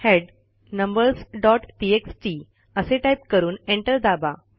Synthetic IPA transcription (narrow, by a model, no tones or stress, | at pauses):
heɖ | nəmbəɾsɖɔʈʈieksʈi | əseʈajp̚kəɾuːneɳʈəɾd̪aba